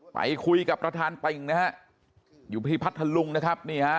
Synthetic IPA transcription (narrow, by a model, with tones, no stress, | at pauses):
pa̰˨˧˦jkʰu˧jka˨˩pːɾa˧t̪ʰaː˧nt̪e˨˩ŋna˦˥ha˦˥ʔ | juː˨˩pʰiː˧˩pʰa˦˥t̪ʰːa˧lu˧ŋna˦˥kʰa˦˥p̚ni˥˩a˦˥